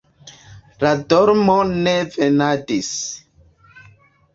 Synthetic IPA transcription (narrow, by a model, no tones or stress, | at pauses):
ladɔɾmonevenadis